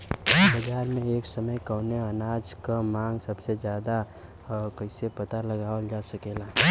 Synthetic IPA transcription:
bɐd͡ʒaːɾmẽeːksɐməjkəneɐnaːd͡ʒkamãːŋɡsɐbsed͡ʒjaːd̪a | kɐɪsepɐt̪alɐɡaːʋəld͡ʒaːsɐkeːlaː

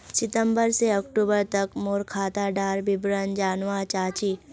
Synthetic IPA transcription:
sɪt̪ə̃mbəɾseɔkʈuːbəɾt̪ɐkmoːɾkʰaːt̪aɖaːɾbɪbɾənd͡ʒaːnʋat͡ʃaːt͡ʃiː

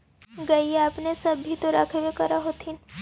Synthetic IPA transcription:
ɡɐiaːpnesɐbɦit̪oɾa̰ːkʰewekɐɾaɦot̪ʰin

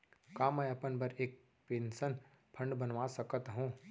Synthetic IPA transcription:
kaːmɛ̃ɐpənbʱɐɾeːk̚ | pẽnsən | pʰɐ̃ɳɖbɐnʋasɐkət̪ɦũː

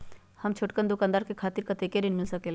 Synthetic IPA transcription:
hɐmt͡ʃʰoʈkənd̪ʊkãːnd̪aːɾkekʰaːt̪iɾkɐt̪ekeɾenmusɐkel

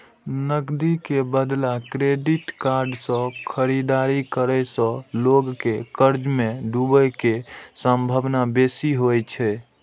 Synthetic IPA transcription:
nəɡd̪ikebəd̪lakɾeɖiʈkaɾɖsə̃kʰəɾid̪aɾikəɾɛsə̃loɡkekəɾd͡ʒmeɖubəjkesəmbʱəbnabesiɦojt͡ʃʰɛ

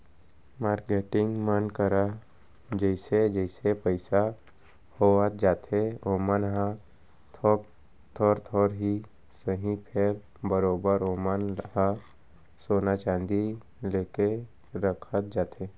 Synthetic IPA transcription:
maːɾkeːʈɪ̃ŋɡmənkəɾa | d͡ʒəɪsed͡ʒəɪsepəɪsa | hoat̪̚d͡ʒaːt̪ʰeoːmənɦa | t̪ʰɔ | t̪ʰɔːɾt̪ʰɔːɾɦi | səɦĩpʰeɾ | bəɾoːbəɾoːmənɦa | soːnat͡ʃãːnd̪i | leːke | ɾəkʰət̪̚d͡ʒaːt̪e

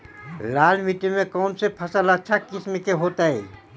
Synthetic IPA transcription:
laːlmiʈimẽkɔːnsepʰɐsələtːʃʰakɪsmekeɦoːt̪aɦɛ̰ː

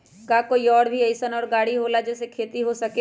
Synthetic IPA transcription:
kaːkoːiɔːɽbʱiɐɪsənɔːɾɡaːɽiɦoːlad͡ʒɛːsekʰeːt̪iɦosɐke

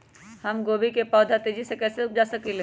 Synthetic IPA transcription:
hɐmɡoːbikepɔːd̪ʱat̪eːd͡ʒisekɛːsed͡ʒaːsɐkile

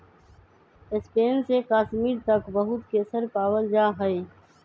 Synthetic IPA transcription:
ɪspeːnsekaːsmiːɾt̪ɐkbɐɦʊt̪keːsəɾpaːwəld͡ʒaːɦəe

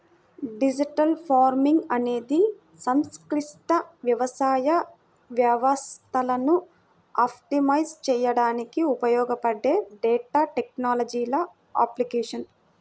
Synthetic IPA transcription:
ɖid͡ʒiʈɐlpʰaːɾmiŋɡɐne̞ːd̪i | sɐmskɾiʂt̪ɐʋjɐʋɐsaːjɐ | ʋjɐʋɐst̪ɐlɐnu | aːpʈimɐjst͡ʃɛːjɐɽaːnikiupɐjɔːɡɐpɐɖːe̞ːɖɛːʈaːʈek̚naːlɐd͡ʒiːlɐ | a̰ːplikeːʂɐn

